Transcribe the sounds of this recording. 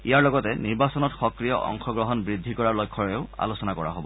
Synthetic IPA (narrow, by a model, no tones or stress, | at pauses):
ijaɹlɔɡɔtɛniɹbasɔnɔtxɔkɹijɔ̰ʔɔ̰ŋxɔɡɹɔɦɔnbɹidʱːikɔɹaɹlɔjkʰːɔɹɛʊa̰losɔnakɔɹa̰ɦobɔ